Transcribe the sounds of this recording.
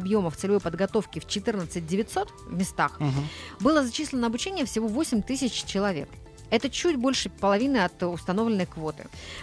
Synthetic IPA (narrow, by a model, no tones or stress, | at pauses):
ɐbjo̞məft̪sɨlʲɪvo̞jpəd̪ɡɐt̪o̞fkʲɪft͡ɕɪt̪ɨrnət̪sɨt̚ʲdʲɪvʲɪtʲso̞t̪vmʲɪst̪axbɨlˠəzɐt͡ɕislʲɪnəɐbʊt͡ɕenʲɪjəfsʲɪvo̞vosʲɪmʲt̪ɨsʲɪt͡ɕt͡ɕɪlˠɐvʲe̞̰k̚ | ɛt̪ət͡ɕutʲbo̞lʲʂɨpəlˠɐvʲinɨɐt̪ʊst̪ɐno̞vlʲɪnːəjkvo̞t̪ɨ̰